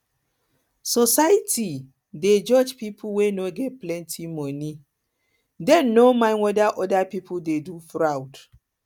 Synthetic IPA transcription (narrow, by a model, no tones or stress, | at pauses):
sɔsajtʰi | ded͡ʒɔd͡ʒpipʰuwenoɡɛt̚plɛ̃ntʰimɔni | dɛ̃nːomãɪ̃nwɔdaʔɔdapipʰuldedufɹawd